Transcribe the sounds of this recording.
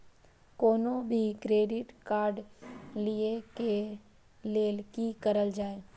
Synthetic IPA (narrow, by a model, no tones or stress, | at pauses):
koːnobʱikɾeːɖɪʈkaːɾɖlieke | leːlkikəɾəld͡ʒaːeː